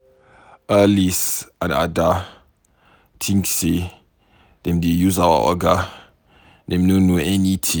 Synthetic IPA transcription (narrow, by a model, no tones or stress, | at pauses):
ʔalisãna̰da | tʰĩŋkse | dɛ̃mdejuzawa̰ʔɔ̰ɡa | dɛ̃mnonoɛnitʰĩ